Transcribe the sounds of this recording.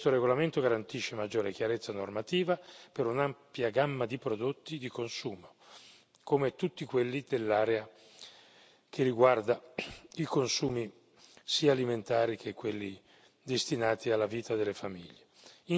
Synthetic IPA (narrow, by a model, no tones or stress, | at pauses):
st̪oɾeɡolament̪oɡaɾant̪iʃːemad͡ʒːoːɾekjaɾet̪sːanormat̪iːvapeɾunampjaɡamːad̪ipɾod̪ot̪ːid̪ikonsuːmo | komet̪ut̪ːikwelːid̪elːaːɾea | k̟eriɡward̪aikonsuːmi | siːaːliment̪aːɾikʰekːwelːi | d̪est̪inaːt̪ialːaviːt̪ad̪elːefamḭʎːei